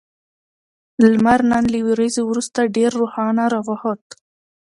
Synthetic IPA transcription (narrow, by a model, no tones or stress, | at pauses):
lmaɾnanliwiɾezewɾust̪aɖeɾːohɑnaɾawɑhot̪